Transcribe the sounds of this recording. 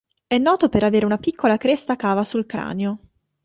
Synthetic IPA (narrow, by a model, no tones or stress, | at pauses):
ɛnːɔːt̪opeɾaveːɾeunapikʰːolakɾest̪akaːvasulkɾa̰ːneo